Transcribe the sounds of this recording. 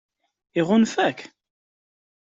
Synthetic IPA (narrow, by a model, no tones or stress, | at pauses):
iʁʊnfæk